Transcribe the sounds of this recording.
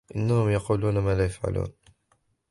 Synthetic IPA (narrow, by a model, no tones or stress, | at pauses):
ʔɪnːahʊmjɑquːluːnamaːlaːjafʕa̰lʔṵːn